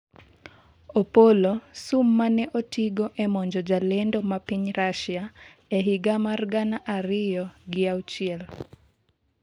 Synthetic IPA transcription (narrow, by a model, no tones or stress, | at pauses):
opolosumːanɛʔotiɡɔʔɛmɔɲd͡ʒɔd͡ʒalɛndomapiɲɾaʃja | eɦiɡamarɡanaʔaɾɪjɔɡɪawt͡ʃɪɛl